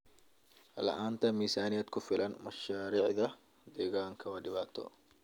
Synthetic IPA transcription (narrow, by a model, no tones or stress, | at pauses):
lɐ̰ʔaːnt̪ʰɐmiːsaːnɪjɛd̪kʰʊfɪlɐnmɐʃaːɾiːʕðɐ | d̪ɛːɣaːŋkʰɐwɐɖɪβaːt̪ʰɔ̰